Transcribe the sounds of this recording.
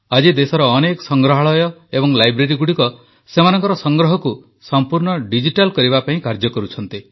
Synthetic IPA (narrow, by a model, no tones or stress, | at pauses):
ad͡ʒid̪esɔɾɔːnekɔ̥sɔŋɡɾɔɦaɭɔjɔebɔŋlajbɾeɾiɡuɽikɔ | semanɔŋkɔɾɔsɔŋɡɾɔɦɔku | sɔmpuɾɳɔɖid͡ʒiʈalkɔɾibapaĩkaɾd͡ʒɔkɔɾut͡ʃʰɔnt̪i